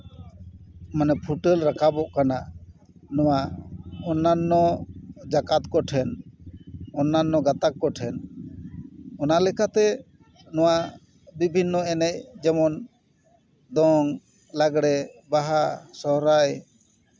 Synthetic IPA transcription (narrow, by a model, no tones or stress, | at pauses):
manɛpʰuʈəlɾakʰabɔʔkanaʔ | nɔwaʔɔnːanːɔd͡ʒakat̪kɔʈʰɛn | ɔnːanːɔɡat̪akːɔʈʰɛn | ɔnalɛkat̪ɛ | nɔwaʔ | bibʱinːɔɛnɛc̚d͡ʒɛmɔn | d̪ɔŋ | laɡɽɛbaɦasɔɦɾaj